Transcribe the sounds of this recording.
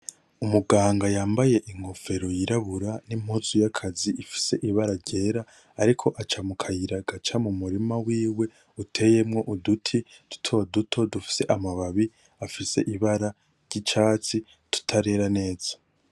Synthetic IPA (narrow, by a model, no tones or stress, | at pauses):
umuɡaːŋɡajaːmbaje̞ʔiŋ̥ho̞fe̞ɾo̞jiɾaβuɾanim̥hut͡sujakʰaziifi̥se̞ʔiβaɾaɾɟe̞ːɾaː | ɾikʰo̞ʔat͡ʃamukʰajiɾaɡ̥at͡ʃamumuɾimawiːwe̞ | utʰe̞je̞mŋo̞ʔudutʰid̥u̥tʰo̞dutʰo̞dufi̥se̞ʔamaβaβi | afise̞̰ʔiβaɾa | ɾɟ̥it͡ʃaːt͡si | tʰu̥tʰaɾe̞ɾane̞ːz̥a